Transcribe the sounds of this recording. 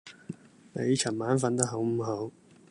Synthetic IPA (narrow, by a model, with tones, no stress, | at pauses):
nḛ˨˧jt͡ʃʰɐ˨˩maː˨˥nfɐ˨˧˥nt̪ɐ˥k̚ɦo˨˧˥wm̩˨˩ɦo˨˥w